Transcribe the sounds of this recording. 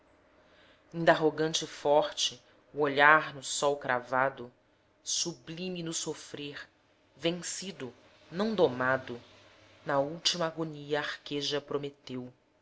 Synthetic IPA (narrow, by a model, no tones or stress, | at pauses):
ĩnd̪aɦoɡɐ̃nt͡ʃɪfɔɾt͡ʃɪ | uoʎaɾnʊsɔwkɾʔa̰vad̪ʊ | sublĩminʊsofɾeɾ | vẽŋsid̪ʊ | nɐ̃w̃d̪omad̪ʊ | nɐuwt͡ʃimɐaɡoniɐaɾkeʒɐpɾomet̪ew